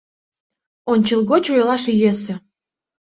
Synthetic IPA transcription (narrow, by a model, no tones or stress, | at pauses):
onʲt͡ɕəlˠɣot͡ɕojlɑʃjøsə̆